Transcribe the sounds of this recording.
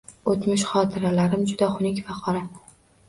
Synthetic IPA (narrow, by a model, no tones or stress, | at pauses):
ot̪mɪʃχɒt̪ʰɪɾalaɾɪmd͡ʒʊd̪aχʊnɪkʲfaqʰɒɾa